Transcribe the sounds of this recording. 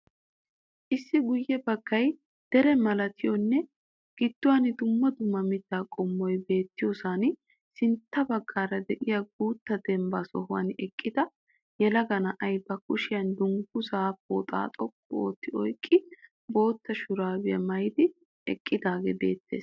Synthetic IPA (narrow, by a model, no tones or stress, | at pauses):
ʔɪsːɪɡʊjːɛbɐɡ̥ːɐj | d̪̥ɛɾɛmɐlɐt̪ʰɪjɔnːɛ | ɡ̥ɪd̪̥ːʊwaːnɪd̪ʊmːɐd̪ʊmːɐmɪd̪ːaːkʼɔmːɔjbe̞ːt̪ːɪjoːsaːn | sɪnt̪ːɐbɐɡːaːɾɐd̪ɛʔɪjɐɡuːt̪ːɐd̪ɛmbaːsɔhʊwɐ̰nɛkʼːɪd̪ɐ | jɛlɐɡɐnɐʔɐjbɐkʊʃɪjɐnd̪ʊŋɡʊsaːfo̰ːt̪ʼa̰ːt̪ʼɔkʰːɔo̰ːt̪ːɪɔjkʼːɪ | bo̞ːt̪ːɐʃʊɾaːbɪjɐ̰mɐjd̪ɪ | ɛ̰kʼːɪd̪aːɡɛbḛːt̪ːe̞̰ːs